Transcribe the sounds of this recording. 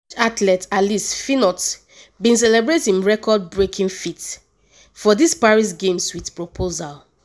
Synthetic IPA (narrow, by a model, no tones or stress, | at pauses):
atlɛtatlistfinɔt | bĩns̬ɛlɛbɹetĩnɹɛkɔd̚bɹekʰĩŋfit | fɔdispaɹis̬ɡẽmswiθpɹopʰozal